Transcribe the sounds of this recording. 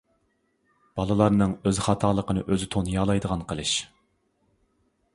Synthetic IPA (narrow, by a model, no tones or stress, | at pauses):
b̥ɑlˠɨlˠɑɾnɨŋøzχɑt̪ʰɑːlˠəqənɨ̰ʔøzɪt̪ʰonjɑːlˠɑjd̪əʁɑnqʰəlˠɨʃ